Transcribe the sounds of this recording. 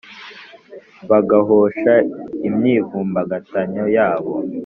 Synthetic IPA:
βaɡaɦoʃaimɲiːvuːmbaɡataɲojaːβo̰

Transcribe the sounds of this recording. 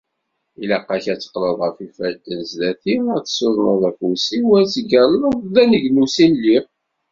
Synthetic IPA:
ilɑqːɑçæt͡sːə̥qləðˤʁəfifælt̪ənzlæθimæθsoðˤnəðˤæfusiwæt͡sːəɡællðænəʝnusinli

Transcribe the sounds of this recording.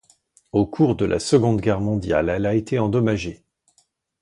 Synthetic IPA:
okʰuʁd̪əlʔa̰səɡɔ̃d̪ɡʲɛʁmɔ̃d̪ja̰lɛlaet̪ʰeɑ̃d̪ɔmaʒe

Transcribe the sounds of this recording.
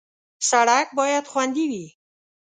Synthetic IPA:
saɾak̚bɒːjad̪xwand̪iwi

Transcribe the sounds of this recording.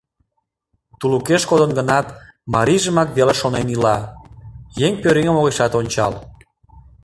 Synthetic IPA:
t̪ulukeʃkod̪ənɡənɑt̪mɑɾiʒəmɑkβeleʃonenilɑ | jeŋpøɾeŋəmoɣeʃɑt̪onʲt͡ɕɑl

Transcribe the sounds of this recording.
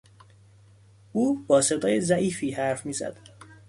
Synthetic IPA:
uːbɒːse̞d̪ɒːjezæʔiːfiːhæɾfmiːzæ̰d̪̥

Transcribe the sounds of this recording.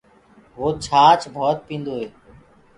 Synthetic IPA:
ʋoːt͡ʃʰaːt͡ʃbʱɔːt̪̚pĩːnd̪oːɦeː

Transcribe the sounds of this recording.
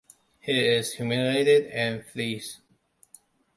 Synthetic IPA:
hiɪzhjumɪleɪɾɪdɨ̃nflis

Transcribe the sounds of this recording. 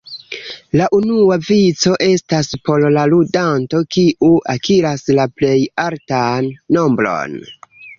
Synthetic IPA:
laʔunuavit͡so̞ʔe̞staspo̞llaludanto̞kiʔuʔakiɾaslaple̞jaltanːo̞mbɾo̞̰n

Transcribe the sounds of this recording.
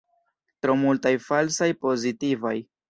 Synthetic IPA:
tɾo̞multajfalsajpo̞zitivaj

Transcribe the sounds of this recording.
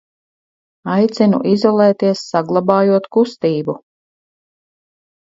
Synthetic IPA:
ajt̪sʲinṵʔizɔlˠɛːt̪iɛsːaɡlˠabaːjuɔt̪kust̪iːbu

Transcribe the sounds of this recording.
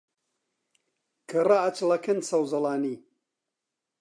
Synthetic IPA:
kʰɨraɐt͡ʃlɐkɨnsɐwzɨlaːniː

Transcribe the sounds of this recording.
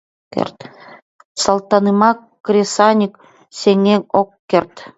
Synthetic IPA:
kḛrt̪ | sɑlˠt̪ɑnɨmɑkːɾʲesɑnʲik | sʲeŋeŋokːert̪

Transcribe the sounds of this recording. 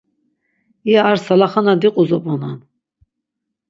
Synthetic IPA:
iaːɾsalaχanad̪iqʼuzɔpʼɔnan

